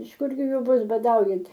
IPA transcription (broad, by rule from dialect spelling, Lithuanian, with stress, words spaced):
ɪʃ ˈkʊrʲɡʲɪ ˈjʊ ˈbʊs bɐˈdɐʊjɛnt